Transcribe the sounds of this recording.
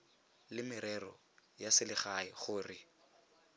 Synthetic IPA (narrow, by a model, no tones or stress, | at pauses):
lɪmɪɾɛrɔ | jasɪlɪχaχʊːrɪ